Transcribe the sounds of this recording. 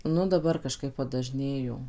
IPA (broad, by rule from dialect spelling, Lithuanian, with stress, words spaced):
ˈnʊ dɐˈbɐr kɐˈʃkɐɪp pɐdɐˈʒʲnʲeːjoː